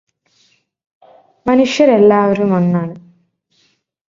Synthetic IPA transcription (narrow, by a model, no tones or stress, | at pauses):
mɐnuʂjɐɾelːaːʋɐɾumonːaːɳu